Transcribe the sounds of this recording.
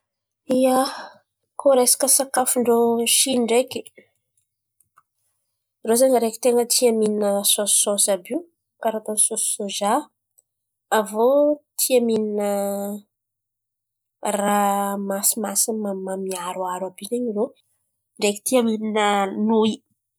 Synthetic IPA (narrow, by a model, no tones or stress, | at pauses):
ia | koɾejsḁkəsakafuɳɖ͡ʐoʃiɳɖ͡ʐeki̥ | rozaɲəɾeki̥t̪eŋət̪ʰiamininəso̥ːosabiw | kaɾat̪onsosːoʒa | vot̪ʰiamininə | ramasimasimamamiaɾwaɾwabizeɲiɾo | ɳɖ͡ʐeki̥t̪iamininənui